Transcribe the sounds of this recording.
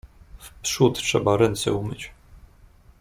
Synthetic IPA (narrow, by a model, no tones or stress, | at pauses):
fpʂut̪tʂɛ̰baɾɛnt̪sɛ̰umɘt͡ɕ